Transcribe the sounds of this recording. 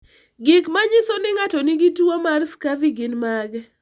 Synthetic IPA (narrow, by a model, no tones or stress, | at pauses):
ɡɪkmaɲɪsonɪŋatɔnɪɡituomarskaviɡɪnmaɡɛ